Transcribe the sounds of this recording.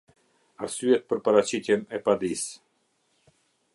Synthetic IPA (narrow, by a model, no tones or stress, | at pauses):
aɾsyɛt̪̚pəɾpaɾat͡ɕit̪jɛnɛpad̪is